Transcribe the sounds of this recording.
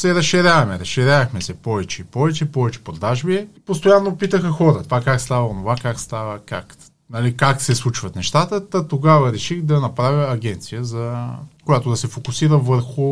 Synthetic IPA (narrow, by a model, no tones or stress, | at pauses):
sɛɾɐsʃiɾʲavɐmɛɾɐsʃiɾʲavəxmɛsɛpɔvɛt͡ʃɛipɔvɛt͡ʃɛpɔvɛt͡ʃɛ̥pɾod̪aʒbiɛpost̪ojanːopit̪əxəxɔɾət̪vakːakst̪avəonovakakst̪avəkak | nɐlikaksɛslˠut͡ʃvɐt̪nɛʃt̪at̪ət̪ɐt̪oɡavəɾɛʃixd̪ɐnɐpɾavʲəːɡʲɛnt̪sijəzɐkojat̪od̪ɐsɛfokʊsiɾəvəɾxʊ